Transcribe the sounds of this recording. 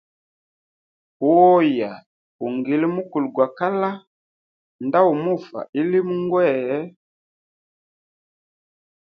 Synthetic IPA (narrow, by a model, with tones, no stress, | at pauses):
wɔ˦ja˨ | u˨ŋɡi˨lmu˦ku˨lɡwa˨ka˦la˦ | nda˦u˨mu˦˨fa̰˨i˦li˦m˦ŋɡwɛ˦˨˦